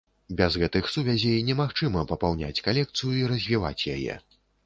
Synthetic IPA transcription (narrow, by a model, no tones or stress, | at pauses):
bʲɛzɣɛt̪ɨxsuvʲazʲejnʲɛmaxt͡ʂɨmɐpɐpawnʲa̰t͡sʲkalʲɛk̚t̪sɨjuiɾɐzʲvʲiva̰t͡sʲja̰jɛ̰